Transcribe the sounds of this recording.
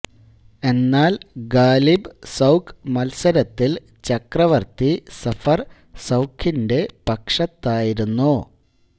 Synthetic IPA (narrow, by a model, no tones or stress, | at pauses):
e̞nːaːlɡaːlibsɐwkmɐlsɐɾɐt̪ːil | t͡ɕɐkrɐʋɐrt̪isɐfɐr | sɐwkʰːinde̞pɐkʂɐt̪ːaːjiɾunːu